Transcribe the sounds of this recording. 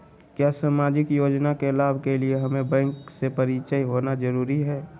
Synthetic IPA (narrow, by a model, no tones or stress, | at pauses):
kjaːsaːmaːd͡ʒɪkjoːd͡ʒnakelaːbʱkelieɦɐmẽbɛ̃ːŋksepəɾit͡ʃəiɦoːnazəɾuːɾiɦɛː